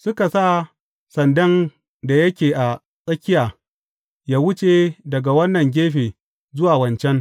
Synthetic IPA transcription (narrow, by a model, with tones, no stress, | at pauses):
sʊ˦ka˨saː˦˨ | sɐ˨ndɐ˦n | da˨jɐ˦kʲeː˨ʔa˨ | sʼɐ˦kʲɪ˦jaː˨ | jaː˦wʊ˦t͡ʃe˨dɐ˨ɡa˨wɐ˦nːɐ˨ŋɡʲeː˦ɸeː˨ | zʊ˦waː˨wɐ˨nt͡ʃɛ˦ŋ